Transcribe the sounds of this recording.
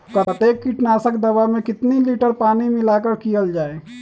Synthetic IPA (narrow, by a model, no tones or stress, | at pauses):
pɾət̪eːkːiʈnaːsəkd̪ɐʋamẽkɪt̪niliːʈəɾpaːnimɪlaːkəɾkijəld͡ʒaːeː